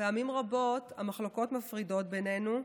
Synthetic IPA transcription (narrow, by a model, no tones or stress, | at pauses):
eamimʁabo̞tamaχloko̞tmafʁido̞t̚benenu